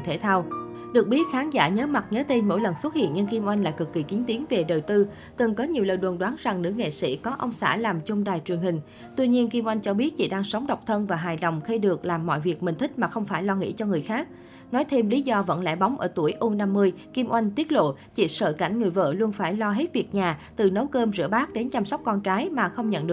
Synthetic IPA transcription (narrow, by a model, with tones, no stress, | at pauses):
t̪ʰe˧˩t̪ʰaː˧w | ɗɨ˨˩ək̚ɓi˦˥ət̚xaː˨˦nza̰ː˧˩ɲəː˨˦ma˨˩t̚ɲəː˨˦t̪e˧nmo̰˧˥jlə˨˩nswə˦˥t̚hḭ˧˨ənɲə˧ŋki˧mʔwa˧jŋ̟laː˧˨˩kɨ˨˩kːi˧˩ki˨˦ŋ̟t̪i˨˦nve˨˩ɗəː˨˩wt̪ɨ˧ | t̪ɨ˨˩ŋkɔ˨˦ɲi˨˩əwləː˨˩jɗwə˨˩nɗwaː˨˦nza˨˩ŋnɨ̰˧˥əŋḛ˧˨sḭ˧˥kɔ˨˦ʔə˧wŋ͡msa̰ː˧˩laː˨˩mt͡ɕʊ˧ŋ͡mɗaː˨˩jt͡ɕwi˨˩ənhï˨˩ŋ̟ | t̪wi˧ɲi˧ənki˧mʔwa˧jŋ̟t͡ɕɔ˧ɓi˦˥ət̚t͡ɕḭ˧˩ɗaː˧ŋsə˨˦wŋ͡mɗə˨˩wk͡p̚t̪ʰə˧nvaː˨˩ɦaː˨˩jɗə̰˧˨˩wŋ͡mxə˧jɗɨ˨˩ək̚laː˨˩mːɔ̰˧˨jvi˨˩ək̚mï̟˨˩t̪ʰï˦˥k̟̚maː˨˩xə˧wŋ͡mfaː˧˩jlɔ˧ŋḭ˧˥t͡ɕɔ˧ŋɨ˨˩əjxaː˦˥k̚ | nɔ˨˦jt̪ʰe˧mli˨˦zɔ˧və̰˧˥nlɛ̰˧˥˩ɓa˨˦wŋ͡mʔə̰ː˧˩t̪u˧˩əjʔo˧na˧mːɨ˧əjki˧mʔwa˧jŋ̟t̪i˦˥ət̚lo̰˧˨ | t͡ɕḭ˧˩sə̰ː˧˨˩ka̰˧˩jŋ̟ŋɨ˨˩əjvə̰ː˧˩lu˧ənfaː˧˩jlɔ˧ɦe˦˥t̚vi˨˩ək̚ɲaː˨˩t̪ɨ˨˩nə˨˦wkəː˧mzɨ̰˧˩əɓaː˦˥k̚ɗe˨˦nt͡ɕa˧msɔ˦˥k͡p̚kɔ˧nkaː˨˦jmaː˨˩xə˧wŋ͡mɲə̰˧˨nɗɨ˨˩